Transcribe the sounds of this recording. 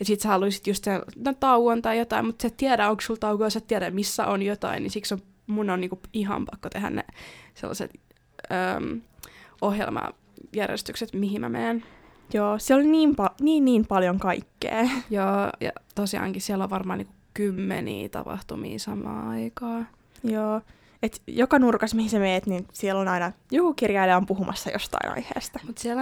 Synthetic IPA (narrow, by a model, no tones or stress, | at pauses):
jɑsiːt̪sæhɑluisi̥t̪just̪selnot̪ɑuwʋont̪ɑijot̪ɑimut̪set̪t̪iæɾæoŋksult̪ɑukojɑset̪t̪iæɾæmisːæ̰ʔonjot̪ɑ̰innisikso | munːonniːŋkuiɦɑ̰mpɑkːot̪ehæ̰nnḛsḛlːɑ̰sḛt̪ | ə̰ːm | ohjḛlmɑ̰ | jærjḛst̪ykset̪miɦimæ̰meːn | joːsiolniːmpɑniːnːiːmpɑljoŋkɑikːḛːjoːjɑ̰t̪osiɑ̰ŋkissiɛlːoʋʋɑrmɑːniːŋku | kymːenḭːt̪ɑ̰pɑ̰ht̪umḭːsɑmˑɑ̰ːɑikɑː | joː | et̪jokɑnurkɑsmihisemeːt̪ninsiɛlonɑinɑjukukirjɑileompuɦumʔɑ̰sːɑjost̪ɑ̰inʔɑ̰ihḛːst̪ɑmut̪siɛl